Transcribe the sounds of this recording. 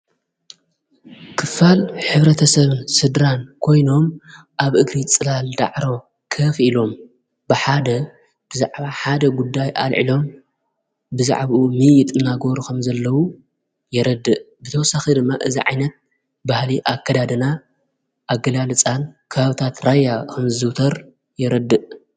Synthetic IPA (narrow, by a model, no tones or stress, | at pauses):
kʰɨfalħɨβɾɐt̪ʰɐsɐβɨnsɨd̪ɾankʰo̞jno̞m | ʔaβʔɨɡɾit͡sʼɨlald̪a̰ʕɾo̞ | kʰɐfilo̞m | b̥ɨħad̪ɐ | b̥ɨza̰ʕβaħad̪ɐɡud̪ːajʔa̰lʕḭlo̞m | bɨza̰ʕβumɨjɪt̪ʼɨnaɡo̞ɾukʰɐmzɐlːɐwu | jɛɾɐd̪ːɨʔ | bɨt̪ʰɐwɔsaxid̪ɨmːaʔɨziʕa̰jnɐt̪̚ | bahliʔakʰːɐd̪ad̪ɨna | ʔaɡɐlalɨt͡sʼankʰɐβaβɨt̪ʰat̪ɾajːakʰɐmɨzɨwt̪ʰɐɾ | jɛɾɐd̪ːɨʔ